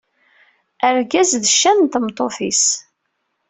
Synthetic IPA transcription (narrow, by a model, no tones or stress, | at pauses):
əɾɡæzðəʃːænt̪mt̪ˤofis